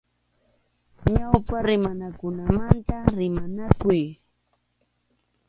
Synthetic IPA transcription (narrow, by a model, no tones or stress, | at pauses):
ɲawpaɾɪmanakʊnamant̪aɾɪmanakʊj